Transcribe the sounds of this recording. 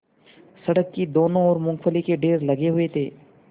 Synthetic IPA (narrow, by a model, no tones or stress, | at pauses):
sɐɽəkːid̪oːnõɔːɾmʊ̃ŋkfəlikeɖeːɾlɐɡeɦʊet̪ʰeː